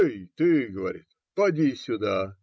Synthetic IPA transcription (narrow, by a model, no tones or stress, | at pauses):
jt̪ɨɡəvɐɾʲḭt̪ | pɐdʲisʲʊd̪a